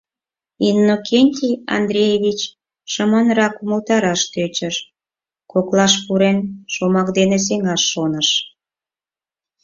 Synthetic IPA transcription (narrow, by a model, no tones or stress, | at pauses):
inːokʰenʲt̪ʲiɑ̰nd̪ɾʲejeβʲit͡ɕ | ʃəmənɾɑkuməlt̪ɑɾɑʃt̪øt͡ɕəʃ | koklɑʃpuɾenʃomɑkd̪enes̬eŋɑʃːonəʃ